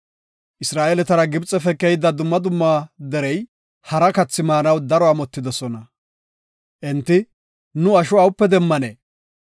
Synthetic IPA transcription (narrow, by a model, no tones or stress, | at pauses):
ʔɪsɾaːʔelɛt̪ɐɾɐɡɪbt͡sʼːɛfɛkːɛjɪd̪ɐd̪ʊmːɐd̪ʊmːaːd̪ɛɾɛj | hɐɾɐkɐt͡sːɪmaːnɐwd̪ɐɾɔamɔt̪ːɪd̪ɔsɔnɐ | ʔɛnt̪ːɪ | nʊɐʃɔɐwʊpːɛd̪ɛmːɐnḛː